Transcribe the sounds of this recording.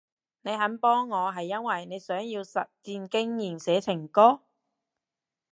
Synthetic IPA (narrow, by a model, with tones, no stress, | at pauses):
ne˨˧jɦɐ˨˥npɔː˥ŋːɔː˨˧ɦɐ˨jːɐ˥nwɐ˨˩jne˨˧jsœː˨˥ŋjiː˧wsɐ̰˨t̚t͡siː˧nkɪ˥ŋjiː˨˩nsɛː˨˥t͡sʰɪ˨˩ŋkɔː˥